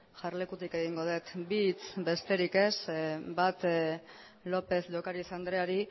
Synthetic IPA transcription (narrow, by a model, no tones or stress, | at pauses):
ʝarle̞kut̪ike̞ɣ̞iŋɡo̞ð̞e̞t̪bit͡sbe̞st̪e̞ɾike̞sbat̪ | lo̞pe̞zʝo̞kaɾisand̪ɾe̞aɾi